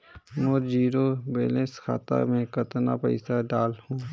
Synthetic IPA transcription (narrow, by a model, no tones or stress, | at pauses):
mod͡ʒiːɾobeːleskʰa̰ːt̪a̰mẽkət̪na̰pə̰ɪsaɖaːlhũː